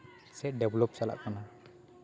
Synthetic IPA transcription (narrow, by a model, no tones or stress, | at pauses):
sɛɖɛblɔp̚sala̰ʔkana